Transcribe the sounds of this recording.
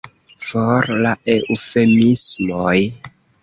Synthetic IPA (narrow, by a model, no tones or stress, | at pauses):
foɾlaʔeʔufemismoj